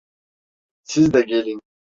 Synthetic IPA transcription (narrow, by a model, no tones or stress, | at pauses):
sizd̪ɛɟelʲin